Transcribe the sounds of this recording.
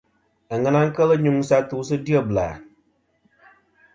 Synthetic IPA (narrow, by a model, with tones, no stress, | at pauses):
a˨ŋa˦na˦ŋ̩˦ka˦lɨ˦ɲu˦ŋ˦sa˦tuː˦sɨ˦di˦ɛ˦bla̰ː˨